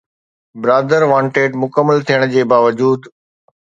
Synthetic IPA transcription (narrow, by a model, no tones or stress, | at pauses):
bɪɾaːd̪əɾʋãːɳʈeːʈmʊkəmːəlt̪ʰijəɽ̃d͡ʑeːbaːʋəd͡ʑuːd̪